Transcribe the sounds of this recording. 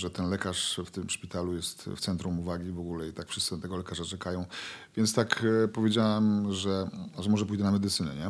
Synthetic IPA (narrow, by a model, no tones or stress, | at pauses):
ʐɛt̪ɛnlɛkaʂft̪ɘmʂpʲit̪alujɛst̪ft̪sɛnt̪ɾumuvaɡʲivɔɡulɛit̪akfʂɘst̪st̪ɛɡɔlɛkaʐat͡ʂɛkajɔ̃w̃vʲjɛntst̪akpɔvʲjed͡ʑawɛmʐɛʐɛmɔʐɛpujd̪ɛnamɛd̪ɘt̪sɘnɛɲɛ